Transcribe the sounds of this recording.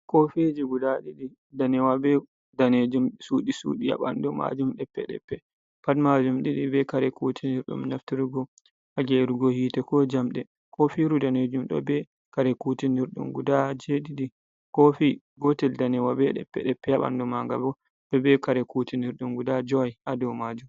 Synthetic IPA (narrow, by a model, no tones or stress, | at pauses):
kɔfed͡ʒiɡudaɗiɗi | danɛwabɛ | daned͡ʒumsuɗisṵːɗija̰ɓa̰ndɔma̰d͡ʒumɗɛpːɛ̰ɗɛ̰pːɛ | patmad͡ʒumɗiɗibɛkaɾɛkutʰiniɾɗṵmnaftiɾuɡɔ | haɡɛɾuɡɔhiːtɛkɔd͡ʒamɗɛ | kɔfiɾudaned͡ʒumɗɔ̰bɛ | kaɾɛkutiniɾɗṵmɡudad͡ʒeɗiɗi | kɔfi | ɡɔtɛldanɛwabɛɗɛ̰pːɛ̰ɗɛpːɛjaɓa̰ndɔmaŋɡabɔ | b̥ɛbɛkaɾɛkutiniɾɗumɡudad͡ʒɔajʔadɔmad͡ʒum